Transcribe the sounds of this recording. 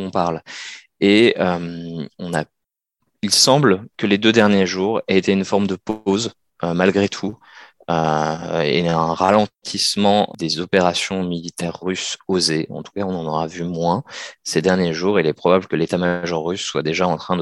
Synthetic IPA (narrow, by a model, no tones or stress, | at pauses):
ɔ̃paʁl | eømɔ̃na | ilsɑ̃blkəled̪ød̪ɛʁnjeʒuːʁeet̪eynfɔʁmd̪əpoz | ømalɡʁet̪ʰu | ø | ḛɛ̃ʁalɑ̃t̪ʰismɑ̃d̪ezɔpeʁasjɔ̃milit̪ɛʁːysozeɑ̰̃t̪u̥kaɔ̃nɑ̃nɔʁavymwɛ̃sed̪ɛʁnjeʒuʁilɛpχɔbabləkəlet̪amaʒɔʁːysːwad̪eʒaɑ̃t̪χɛ̃d̪